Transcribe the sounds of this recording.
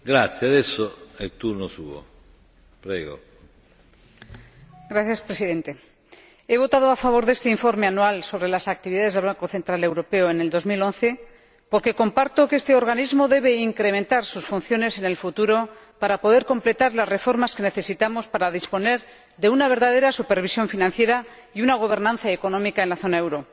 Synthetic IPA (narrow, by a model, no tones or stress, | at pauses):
ɡɾat̪sjead̪ɛsːoɛlt̪urnosṵːo̰ | pɾɛːɡo̰ | ɡɾaθjaspɾesiðe̞nt̪e̞ | e̞β̞o̞t̪að̞oafaβ̞o̞ɾðe̞st̪eiɱfo̞ɾme̞anualso̞β̞ɾelasak̚t̪iβiðaðezðβlaŋko̞θe̞nt̪ɾale̞wɾo̞pe̞oene̞ld̪o̞zmilo̞nθe̞ | po̞ɾke̞ko̞mpaɾt̪o̞kee̞st̪e̞o̞ɾɣanizmo̞ðe̞β̞e̞iŋkɾe̞ment̪aɾsusfun̟θjo̞ne̞se̞ne̞lfut̪uɾo̞ | paɾapo̞ðe̞ɾko̞mple̞t̪aɾlazre̞fo̞ɾmaske̞ne̞θe̞sit̪amo̞spaɾaðispo̞ne̞ɾ | ðe̞unaβ̞e̞ɾðað̞e̞ɾasupe̞ɾβ̞isjo̞ɱfinãn̟θje̞ɾa | iunaɣ̞o̞β̞e̞ɾnãnθaeko̞nõ̞mikae̞nlaθo̞naewɾo̞